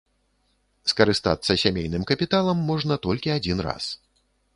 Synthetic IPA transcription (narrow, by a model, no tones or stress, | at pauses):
skɐɾɨst̪a̰t̪sːɐsʲamʲejnɨmkɐpʲit̪alˠɐmːɔʐnɐt̪ɔlʲkʲiad͡zʲinra̰s